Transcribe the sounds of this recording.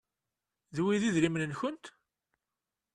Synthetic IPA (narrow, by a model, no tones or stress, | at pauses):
ðwiðiðɾimnənçʊnt̪